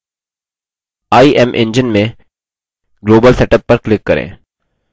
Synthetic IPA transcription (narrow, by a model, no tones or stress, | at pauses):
aːiʔɛmʔɪ̰̃ɲd͡ʒɪnmẽ | ɡloːbəlsɛːʈəpːɐɾklɪkːɐɾḛ̃ː